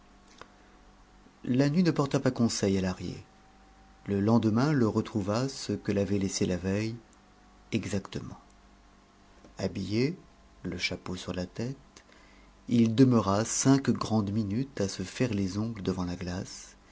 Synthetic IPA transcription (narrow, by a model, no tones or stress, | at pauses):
lanɥinəpɔʁt̪apakɔ̃sɛjalaʁjḛ | ləlɑ̃d̪mɛ̃ləʁət̪χuvasəkəlavɛleselavɛj | ɛɡzakt̪əmɑ̰̃ | a̰bije | ləʃaposyʁlat̪ɛt̪ | ild̪əməʁasɛ̃kɡʁɑ̃d̪minyt̪asəfɛʁlezɔ̃ɡld̪əvɑ̃laɡlas